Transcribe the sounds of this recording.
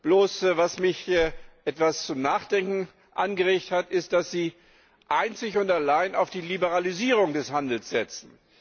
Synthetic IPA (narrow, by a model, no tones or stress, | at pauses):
b̥loːsvasmɪçʔɛtv̥ast͡sʊmnaːχd̥ɛŋkŋ̩ | ʔanɡəʁeːçthatɪst̚d̥asz̥iː | ʔaɪnt͡sɪçʊntalaɪnaʊfd̥iːlibəʁaliziːʁ̞ʊŋdɛshandl̩sz̥ɛt͡sn̩